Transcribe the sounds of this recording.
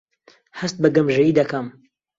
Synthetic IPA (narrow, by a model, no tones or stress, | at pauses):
hɐst̪̚bɐɡɐmʒɐjiːd̪ɐkɐm